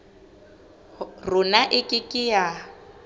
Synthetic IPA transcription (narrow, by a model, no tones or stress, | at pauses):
rʊnaʔɪkʼɪkʼɪja